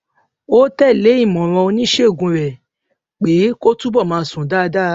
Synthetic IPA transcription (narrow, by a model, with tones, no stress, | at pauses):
o˦tɛ˦˨le˨˦ĩ˦˨mɔ̃˨ɾ̃ɔ̃˧o˧nĩ˦ʃe˦o˦˨ɡũ˧ɾɛ˨ | k͡pe˨˦ko˦tũ˦bɔ˦˨mãː˧sũ˨da˦˨˧da˦